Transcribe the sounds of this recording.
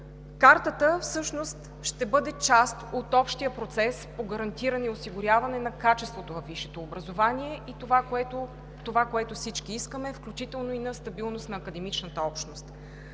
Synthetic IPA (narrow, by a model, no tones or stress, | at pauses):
kaɾt̪ət̪əfsɤʃnost̪ | ʃt̪ɛbɤd̪ɛt͡ʃast̪ot̪ɔpʃt̪ijəpɾot̪sɛspoɡəɾɐnt̪iɾənɛiosiɡʊɾʲavɐnɛnɐkat͡ʃɛst̪vot̪ovɐfvːiʃɛt̪oːbɾəzovanʲiɛit̪vaɛo | t̪ovakoɛt̪ʊfsit͡ʃk̟iiskəmɛfklʲut͡ʃit̪ɛlˠnoinɐst̪ɐbilˠnost̪nɐːkəd̪ɛmit͡ʃnət̪əɔpʃnost̪